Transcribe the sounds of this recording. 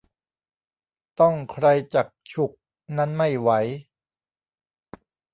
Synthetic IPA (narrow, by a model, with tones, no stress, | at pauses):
t̪ɔ˥˩ŋkʰɾa˧jt͡ɕaː˨˩k̚t͡ɕʰu˨˩k̚ | na˦˥nma˥˩jwa˩˦j